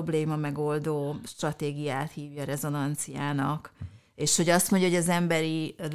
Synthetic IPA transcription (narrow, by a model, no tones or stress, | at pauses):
bleːmɒmɛɡo̞ld̪oːʃt̪rɒt̪eːɡijaːt̪hiːvjɒːɾɛzo̞nɒnt̪sijaːnɒk | eːʃho̞ɟɒst̪mo̞ɲɟɒoɟɒzɛmbɛɾil